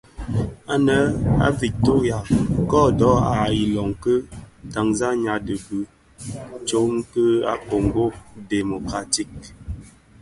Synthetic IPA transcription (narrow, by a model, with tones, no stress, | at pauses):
a˦nə˨˦a̰˦vi˨to˦ɣja˨kɔ˦dɔ˨˦a˨i˨lɔ˨ŋ˨kə˦ta˨ŋza˦ɲa˨də˨bʉ˦ | t͡ʃo˨˦ŋ˦kə˦a̰˦ko˨ŋ˨ɡo˦de˨mo˨ka˨ti˦˨k̚